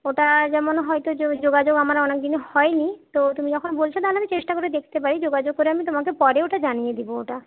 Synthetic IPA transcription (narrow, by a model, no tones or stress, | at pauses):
oʈad͡ʑɛmonɦɔjt̪ood͡ʑoɡad͡ʑoɡamaɾɔnek̚d̪inehɔenit̪ot̪umid͡ʑɔkʰonbolt͡ɕʰet̪aɦnamit͡ɕeʃʈakoɾed̪ekʰt̪epaɾid͡ʑoɡad͡ʑoɡ̚koɾeamit̪omakepɔɾeoʈad͡ʑanijed̪iboo̰ʈa